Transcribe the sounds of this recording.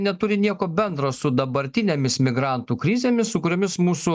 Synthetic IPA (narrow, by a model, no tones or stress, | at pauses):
nʲɛt̪ʊɾʲɪnʲiɛkoːbʲɛnd̪ɾoːsʊd̪ɐbɐɾʲt̪ʲɪnʲeːmʲɪsmʲɪɡɾɑˑnt̪uːkɾʲɪzʲeːmʲɪssʊkʊɾʲoːmʲɪsmuːsʊ